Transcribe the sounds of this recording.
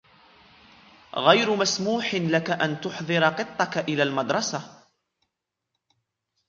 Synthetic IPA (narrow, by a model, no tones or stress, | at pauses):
ɣajɾʊmasmuːħɪnlakaʔant̪ʊħðˤɨɾɑqɨt̪ˤːɑkaʔɪlaːlmad̪ɾˤɑsa